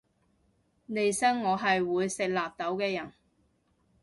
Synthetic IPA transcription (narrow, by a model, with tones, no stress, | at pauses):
ne˨jsɐ˥ŋːɔː˨˧ɦɐ˨jwuː˨˧jsɪ˨k̚laː˨p̚t̪ɐ˨˥wkɛː˧jɐ˨˩n